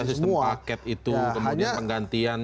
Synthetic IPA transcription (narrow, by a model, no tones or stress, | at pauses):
as̬isəmakɛt̪it̪ukəmudapəŋɡant̪ian